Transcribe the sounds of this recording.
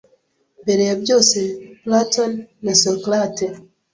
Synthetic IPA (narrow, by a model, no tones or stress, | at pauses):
mbeɾejabjo̞ːseplatonːasoklate